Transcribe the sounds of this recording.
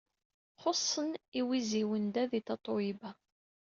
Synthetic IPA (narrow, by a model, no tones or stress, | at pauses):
χosˤːəniwiziwənd̪æðit̪ɑt̪ˤowibæ